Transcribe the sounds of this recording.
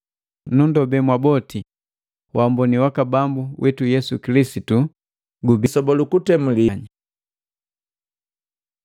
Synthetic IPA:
nundɔbɛmwabɔti | wʔambɔniwakabambuwʔɛtujɛsukilisitu | ɡubisɔbɔlukutɛmuliɲi

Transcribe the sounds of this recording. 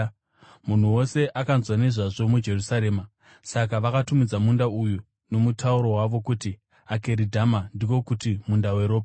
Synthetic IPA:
mun̤uwo̞se̞ʔakanzwane̞ʐaʐo̞mud͡ʒe̞rusaɾe̞ːma | sakaʋakatumid͡zamundauju | no̞mutʰauɾo̞waʋo̞kuti | ake̞ɾidʱamandiko̞kutimundawe̞ɾo̞ːpa

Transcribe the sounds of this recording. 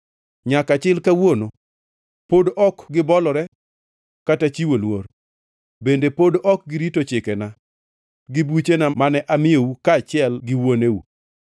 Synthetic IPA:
ɲakat͡ʃɪlkawono | podɔkɡɪbɔlɔɾɛ | katat͡ʃiwolwoɾ | bendepodʔɔk̚ɡɪɾitot͡ʃɪkɛna | ɡɪbut͡ʃenamanɛʔamɪjowukaːt͡ʃɪɛlɡɪwoneu

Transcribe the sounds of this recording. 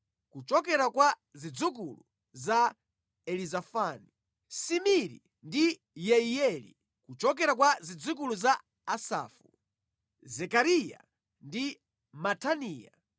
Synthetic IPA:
kut͡ʃɔkɛɾakwa | zid͡zuk̬ulu | za | ɛlizafani | simiɾḭ | ndi | jɛiɛlḭ | kut͡ʃɔk̬ɛɾak̬wazid͡zuk̬uluzaː | sa̰ːfu | zɛkaɾija̰ | ndi | matʰaniːja̰

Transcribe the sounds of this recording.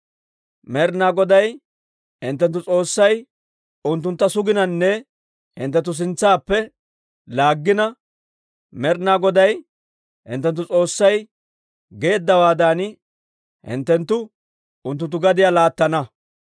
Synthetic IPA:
mɛɾnaːɡɔd̪ɐj | ɪ̰nt̪̬ːɛnt̪ːʊt͡sʼo̞ːsːɐj | ʊnt̪ːʊnt̪ːɐsʊɡɪnɐnːɛ | hɪ̰nt̪ːɛt̪̬ːʊs̬ɪnt͡sːaːpːɛ | laːɡːɪnɐ | mɛɾnaːɡɔd̪ɐj | hɪ̰nt̪ːɛnt̪̬ːʊt͡sʼo̞ːsːɐj | ɡe̞ːd̪ːɐwaːd̪an | hɪ̰nt̪ːɛnt̪ːʊ | ʊnt̪ːʊnt̪ːʊɡɐd̪ɪjaːlaːt̪ːɐnɐ

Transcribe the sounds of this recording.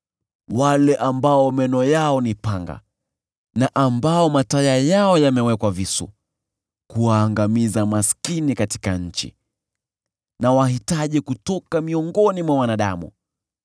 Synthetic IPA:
walɛʔambaɔmɛnɔjaɔnipaŋɡa̰ | naʔambaɔmatajajaɔjamɛwɛkwavisṵ | kuwaːŋɡamizamaskinikati̥kaɲ̩t͡ʃḭ | nawaɦitaʄikutɔkamiɔŋɡɔnimwawanaɗa̰mṵ

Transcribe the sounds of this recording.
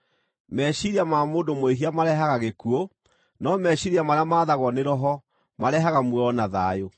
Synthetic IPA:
mɛɕiɾiamamoːndomoeɦiamaɾɛɦaɣaɣekuo | nɔmɛɕiɾiamaɾeamaːðaɣwɔneɾɔɦɔ | maɾɛɦaɣamwɛɔnaða̰ːjo

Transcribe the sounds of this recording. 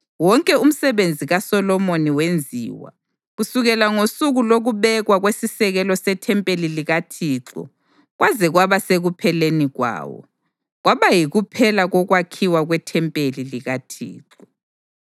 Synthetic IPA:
wɔŋkʼɛum̩sɛβend͡zʱiɣasɔlɔmoniwend͡zʱḭːwa̰ | ɣusuɣɛlaŋosuɣuloɣuβɛɣwaɣwesisɛɣɛlɔsɛtʰɛmpʼeliliɣatʰiːǁɔ̰ | ɣwazɛɣwaβaseɣupʰɛleniɣwa̰ːwɔ̰ | ɣwaβajiɣupʰɛlaɣɔɣwakʰiwaɣwɛtʰɛmpʼeliliɣatʰḭːǁɔ

